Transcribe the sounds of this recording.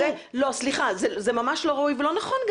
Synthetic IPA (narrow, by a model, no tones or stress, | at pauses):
elo̞sliχazezemamaʃlo̞ʁaijvelo̞naχonɡ